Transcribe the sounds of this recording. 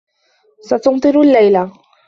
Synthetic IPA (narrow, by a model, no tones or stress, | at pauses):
sat̪ʊnt̪ˤɨɾʊalːajla